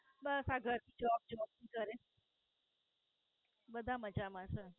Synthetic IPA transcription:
bəsaɡʱəɾt̪ʰid͡ʒɔb̚d͡ʒɔb̚t̪ʰikəɾe | bəd̪ʱaməd͡ʒamãʃɛ

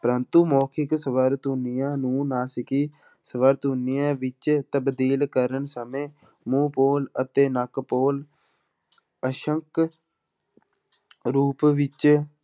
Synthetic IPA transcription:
pəɾənt̪uːmoːkʰɪksəʋəɾt̪ɦʊnijãːnũːnãːsɪkiː | səʋəɾt̪ɦʊnijãːʋɪt͡ʃt̪əbd̪iːlkəɾənsəmẽː | mũːpoːlət̪eːnəkpoːl | əʃəŋk | ɾuːpʋɪt͡ʃ

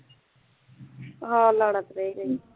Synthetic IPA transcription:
ɦãːlaɽət̪ɾəiɾəi

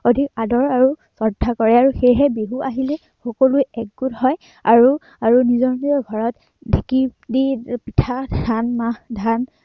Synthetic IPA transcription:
odʱikadɔɹaɹusɔdʱːakɔɹɛaɹuxejɦɛbeɦuʔaɦilɛ | xɔkolujɛk̚ɡuthɔj | aɹu | aɹunizɔɹniɔɡʱɔɹɔt | dʱikidipitʰadanmahdʱan

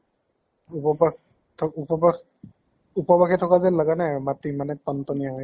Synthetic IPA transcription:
upɔba | tʰupɔba | upɔbaxʰɛtʰɔkazɛlaɡanɛmatimanɛtɔntɔniaɦoj

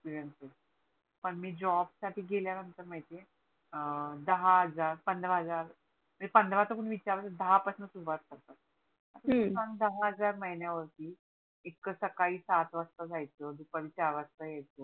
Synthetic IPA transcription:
spiɾjənses | pəɳmiːd͡ʑɔbsaʈʰiːɡʱeljanənt̪əɾm̤əjt̪e | d̪əɦaɦəd͡zaɾpənd̪ʱɾəɦəd͡zaɾ | məepənd̪ʱʋãt͡səkuɳʋit͡ɕaɾʋasəd̪əɦapəsnəsubʱat̪saɡt̪a | ət̪əsand̪əɦaɦəd͡zaɾməɦiɳjaʋəɾt̪iː | ekːəsəkaiːsat̪ʋəst̪əd͡zʱajt͡səd̪upəʋit͡ɕaɾʋəst̪əjɛt͡sə

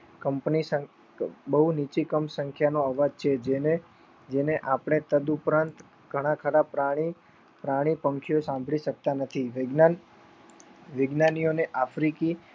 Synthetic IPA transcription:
kəmpnisə | bəɦunit͡ʃikəmsə̃ŋkʰjanoəʋad͡ʒt͡ʃʰed͡ʒene | d͡ʒeneʔapɽ̃et̪əd̪upɾãnt̪ | ɡʱəɽ̃akʰaɽapɾaɽ̃i | pɾaɽ̃ipə̃ŋkʰijosãmbʱɭiʃək̚t̪anət̪ʰiʋɡ | ʋɪɡnanijoneʔafɾiki

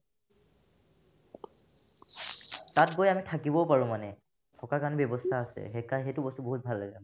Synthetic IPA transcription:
tatɡojamitʰakibɔpaɹũmanɛ | tʰɔkakanɛbɔbɔstʰaːsɛ̰xɛkajxejtʊbɔstuboɦut̚bʱalːaɡɛ

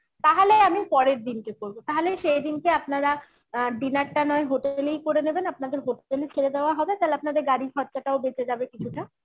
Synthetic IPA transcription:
t̪aɦoleamipɔɾeɾd̪inkekoɾbot̪aɦoleʃejd̪inkeapnaɾa | ɖinaɾʈanɔeɦoʈeelejkoɾenebenapnad̪eɾɦoʈʈelet͡ɕʰeɾed̪eoaɦɔbet̪alap̚nad̪eɾɡaɾikʰɔt̪kaʈaobet͡ɕʰed͡ʑabekit͡ɕʰuʈa

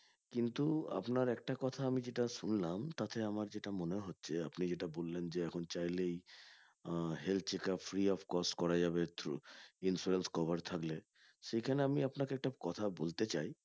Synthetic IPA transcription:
kint̪ua̰pnaɾɛk̚ʈakɔt̪ʰaamid͡ʑeʈaʃunlamt̪at̪ʰeamaɾd͡ʑeʈamoneɦotːɕʰeapnid͡ʑeʈabolːend͡ʑeɛkʰont͡ɕajlej | ɦel̚t͡ɕekafɾiɔfkɔsʈkɔɾad͡ʑabet̪insuɾenskɔbaɾt̪ʰakle | ʃejkʰaneamiapnakeɛk̚ʈakɔt̪ʰabolt̪et͡ɕaj

